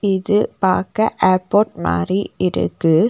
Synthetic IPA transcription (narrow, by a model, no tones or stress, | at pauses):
ɪðɯpa̰ːɾkɐʔeːɾpoːʈ̚ma̰ːriɪɾɯ̰kːɯ